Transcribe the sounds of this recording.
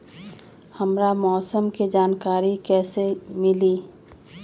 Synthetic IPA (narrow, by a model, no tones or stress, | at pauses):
həmɾamɔːsəmkid͡ʒaːnkaːɾikɛːsemɪliː